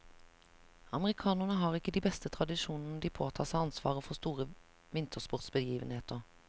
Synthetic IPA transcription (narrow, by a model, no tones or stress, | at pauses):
ɑməʁɪkʰɑːnəʁnəɦɑːʁɪkːəd̪iːbɛst̪ət̪ʰʁɑd̪ɪʃuːnn̩əd̪iːpʰoːt̪ʰɑːʁsæɪɑnsʋɑ̰ːʁəfɔʁst̪uːʁə | ʋɪnt̪ʰəʁspʊʁt̪sbəjiːʋənheːt̪əʁ